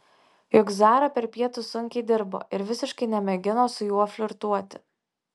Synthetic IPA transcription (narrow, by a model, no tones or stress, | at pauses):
jʊɡzɑːɾɐpʲɛɾpʲiɛt̪ʊsʊŋʲkʲɛɪd̪ʲɪɾbo̰ːʔɪɾʋʲɪsʲɪʃkɐɪnʲɛmʲɛɡʲɪnoːsʊjuɔfʲlʲʊɾt̪uɔt̪ʲɪ̥